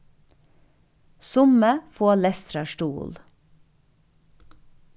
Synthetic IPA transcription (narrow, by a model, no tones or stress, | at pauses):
sʊməfoːlɛst̪ɾɑʃʈuːl